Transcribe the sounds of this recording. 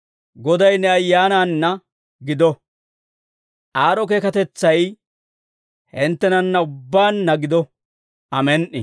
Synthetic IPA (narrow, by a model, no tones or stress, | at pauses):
ɡɔd̪ɐjnɛɐjːaːnaːnːɐ | ɡɪd̪ɔ | ʔaːɾɔk̬e̞ːkɐt̪ɛt͡sːɐj | hɪnt̪ːɛnɐnːɐʊbːaːnːɐɡɪd̪ɔ | ʔɐmɛnʔɪ̰